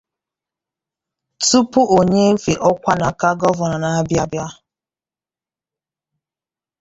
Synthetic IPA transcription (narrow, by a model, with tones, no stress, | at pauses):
tu˦pu˦ʔo˨ɲe˦fi˨ʔɔ˦kʷa˦na˨ka˦ɡɔ˦vɔ˨na˨na˨˦bja˦bja˦